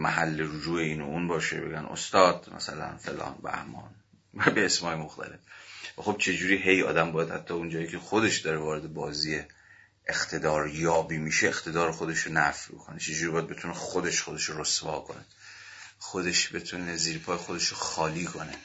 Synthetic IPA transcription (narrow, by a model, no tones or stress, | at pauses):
mæɦælːeɾud͡ʒuːeiːnouːnbɒːʃḛbe̞̰ɡæno̰st̪ɒːd̪̥mæ̰sælæ̰nfelɒ̰ːnbæ̰hmɒ̰ːn | væbeːsmɒːjemoxt̪ʰæ̰le̞fvæxo̞b̥̚t͡ʃʰe̞d͡ʒuːɾiːɦe̞jɒ̰ːd̪æmbɒːjæd̪hæt̪ʰːɒːund͡ʒɒːjikcʰe̞xod̪e̞ʃd̪ɒɾevɒːɾe̞d̪e̞bɒːziːje | ext̪ʰe̞d̪ɒːɾjɒːbiːmiːʃeext̪ʰe̞d̪ɒːɾexo̞d̪e̞ʃonæfbo̰kʰo̞net͡ʃʰe̞d͡ʒuːɾibɒːjæd̪be̞t̪ʰunexod̪e̞ʃxo̞d̪e̞ʃoɾosvɒːkʰo̞̰ne | xod̪e̞ʃbe̞t̪ʰuneziːɾpʰɒːjexod̪e̞ʃoxɒːliːkʰo̞ne